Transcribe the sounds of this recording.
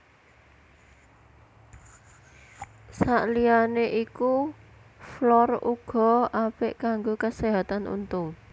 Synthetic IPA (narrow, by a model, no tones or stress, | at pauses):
saʔlianeʔiku | flɔruɡ̥ɔ̤apɪʔkaŋɡokəseɦat̪anʔṵnt̪ʊŋ